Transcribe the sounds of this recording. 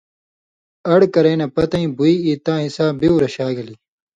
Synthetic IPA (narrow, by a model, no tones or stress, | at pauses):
ɐɽkɐɾeːnɐpɐt̪ɐĩbuiiːt̪ãːɦisaːbiuɾɐɕaːɡɐliː